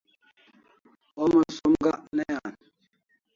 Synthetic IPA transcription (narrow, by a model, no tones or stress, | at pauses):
ɔməsomɡaʔnɛjan